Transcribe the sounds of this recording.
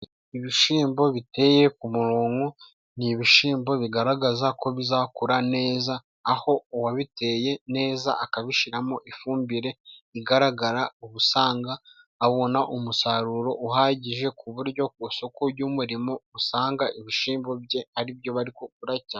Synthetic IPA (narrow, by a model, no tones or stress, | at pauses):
iβiʃiːmbo̞βite̞je̞kumuɾoːŋɡo̞ | niβiʃiːmbo̞βiɡaɾaɡazako̞βizakuɾane̞ːzaː | ho̞waβite̞je̞ne̞ːza̰ʔakaβiʃiɾamo̞ʔifuːmbiɾe̞iɡaɾaɡaɾauβusaːŋɡaː | βo̞naʔumusaɾuɾo̞ʔuhaɟiʒe̞kuβuɾɟo̞kuso̞koɟumuɾimo̞usaːŋɡaiβiʃiːmbo̞bɟe̞aɾibjo̞βaɾikok̚uɾaca